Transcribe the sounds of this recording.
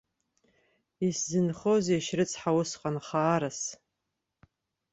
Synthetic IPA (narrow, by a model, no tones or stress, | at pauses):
iszɨnχozeʃrɨt͡sʰʼħawʊsqʼanχaːɾas